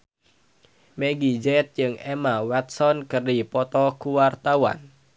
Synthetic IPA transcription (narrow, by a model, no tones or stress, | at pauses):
meɡid͡ʒɛt̪̚d͡ʒɨŋɛmawɛt̪̚sɔnkərdipɔt̪ɔkuwart̪awa̰n